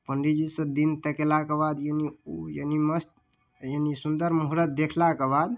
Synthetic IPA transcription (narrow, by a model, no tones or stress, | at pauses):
pəɳɖid͡ʒisə̃d̪int̪əkelakebad̪jəniujəniməst̪ | jənisund̪əɾmuɦɾət̪̚d̪ekʰlakebad̪